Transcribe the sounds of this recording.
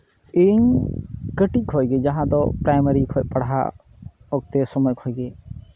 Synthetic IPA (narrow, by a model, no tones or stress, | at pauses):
iɲkəʈic̚ˀkʰɔjɡɛd͡ʒaɦãd̪ɔpɾajməɾikʰɔʔ̚paɽɦa̰ | ɔk̚t̪ɛsɔmɔjkʰɔjɡɛ